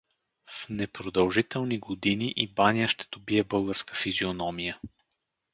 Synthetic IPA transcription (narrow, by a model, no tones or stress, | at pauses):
fnɛpɾod̪ɐlˠʒit̪ɛlˠniɡod̪iniʔibanʲijəʃt̪ɛ̥d̪̥obiɛbɤlˠɡəɾskə̥fizionɔmijə